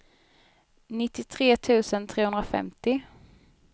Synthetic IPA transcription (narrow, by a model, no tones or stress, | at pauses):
nɪt̪ːɪt̪ʰɾeːt̪ʰʉ̟ːsənt̪ʰɾeːhɵnd̪ɾafɛ̰mt̪ɪ